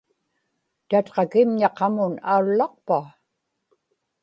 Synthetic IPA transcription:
t̪at̪qɑkɪmɲɑqɑmʊnaulːɑq̚pa

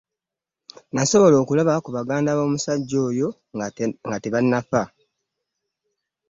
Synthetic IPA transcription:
naso̞βo̞lo̞ːkulaβakuβaɡaːndaβo̞ːmusaɟːo̞ːjo̞ | ŋɡateβanːafa

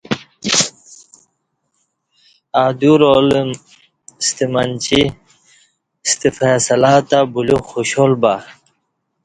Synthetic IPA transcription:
aːd̪uɾolm | st̪imant͡ɕi | st̪ifeːsɐlaːt̪abuluxuɕolba

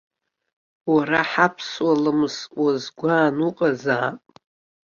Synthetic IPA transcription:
waɾaħapʰswalɨmzwazɡʷaːnuqʼazaːpʼ

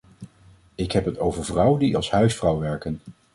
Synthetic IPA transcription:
ɪkɦɛpɦətowvəɹvrʌwdiɑ̰lˠsɦœɥsfrɑwʋɛɹkən

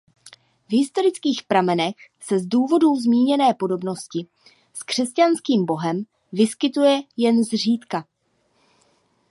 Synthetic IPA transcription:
vɦɪst̪o̞ɾɪt͡skiːxpɾamɛnɛx | sɛzduːvo̞duzmiːɲɛnɛːpo̞do̞bno̞scɪ | skr̝̥ɛscanskiːmbo̞ɦɛm | vɪskɪt̪ujɛjɛnzr̝iːt̪ka

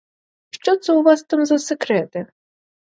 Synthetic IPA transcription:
ʃt͡ʃɔt̪sɛʊʋɑst̪amzɐsekɾɛt̪ɪ

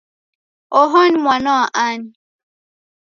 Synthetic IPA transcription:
ɔɦɔnmwanɔaʔan

